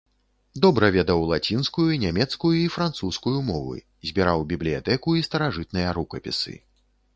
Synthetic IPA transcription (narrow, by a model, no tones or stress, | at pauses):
d̪ɔbɾɐvʲɛd̪ɐwlˠat͡sʲinskujuinʲamʲɛt̪skujuifɾant̪suskujumɔvɨ̰ | zʲbʲiɾawbʲiblʲija̰t̪ɛkuist̪ɐɾaʐɨt̪nɨjɐɾukɐpʲḭsɨ̰